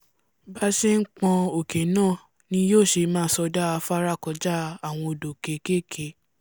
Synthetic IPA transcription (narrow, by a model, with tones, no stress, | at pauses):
ba˦ʃe˦ŋ̩˦k͡pɔ̃˧o˨ke˨˦nãː˦˨ | nĩ˧˦joː˦˨ʃe˧mãː˦˨sɔ˧da˦a˧fa˦ɾa˦˨kɔ˧d͡ʒa˦a˦˨w̃ɔ̃˧o˧˨do˨ke˨˦ke˦kʰe˨˦